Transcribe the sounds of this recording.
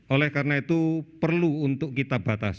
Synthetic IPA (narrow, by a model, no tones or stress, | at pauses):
ʔolɛhkarnait̪upərluːnt̪ʊkkit̪ab̥at̪a̰s